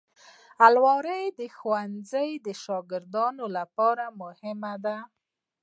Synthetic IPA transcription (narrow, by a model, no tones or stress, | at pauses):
alwɑɾəjd̪əxwanzəjd̪əʃɑɡɪɾd̪ɑnolapɑɾamʊhɪmad̪a